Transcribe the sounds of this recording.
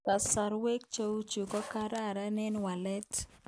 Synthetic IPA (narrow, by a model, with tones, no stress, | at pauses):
ka˨sa˨ɾwe˦k̚t͡ʃo˦wu˦t͡ʃu˨kɔ˦ka˦ɾa˦˨ɾa˦nɛ˦nwa˨lɛ˦t